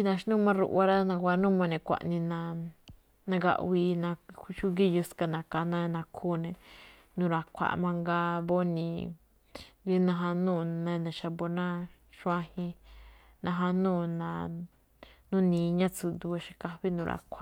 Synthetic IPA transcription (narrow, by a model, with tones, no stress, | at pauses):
t͡ʃi˧nã˧ʃnũ˦˧mã˦ɾṵ˧ʔa˧ɾa˦nã˧kʷa˧nũ˦˨mã˧nẽ˧˨kʷa̰˨ʔnĩ˧nã˧ | nã˧ɡa̰˧ʔwi˧nã˧ʃu˦ɡi˦ju˧ska˧nã˨˧ka˨nã˦˧nã˧kʰuː˦˨nẽ˧ | nũ˨˧ɾa˨kʷʰa̰˨ʔmã˧ŋɡa˧βo˦nĩ˧˨ | ɡi˦nã˧ɦã˧nũː˦˨nã˧nã˨ʃa˧bo˧nã˦ | ʃã˧hĩ˧ | nã˧ɦã˧nũː˦˨nã˨˧ | nũ˦nĩː˨˦ɲã˦t͡su˧d̪u˧a˧ʃi˧ka˧βi˦nũ˧ɾʔa̰˨kʷʰa˨